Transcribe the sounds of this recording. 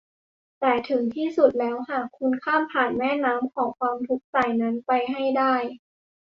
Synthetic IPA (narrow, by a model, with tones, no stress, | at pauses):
t̪ɛː˨˩t̪ʰɯ˨˩˦ŋt̪ʰiː˥˩su˨˩t̪̚lɛː˦˥whaː˨˩kʰːu˧nkʰaː˥˩mpʰaː˨˩nmɛː˥˩naː˦˥mkʰɔː˩˦ŋkʰwaː˧mt̪ʰu˦˥k̚taː˨˩jna˦˥npa˧jɦa˥˩jdaː˥˩j